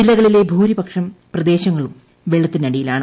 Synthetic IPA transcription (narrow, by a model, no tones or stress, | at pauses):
ilːɐɣɐɭile̞bʱuːɾibɐkʂɐmprɐd̪e̞ːɕɐŋːɐɭum | ʋeɭɐt̪ːinɐɽijilaːɳɨ